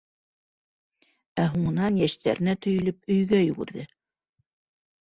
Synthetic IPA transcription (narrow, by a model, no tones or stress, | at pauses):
æɦuɴɤ̆nɑnjæʃt̪ʰæ̰ɾɘ̆næt̪ɵ̆jɵ̆lɵpɵ̆jɡæjɵ̆ɡɘ̰̆ɾðɘ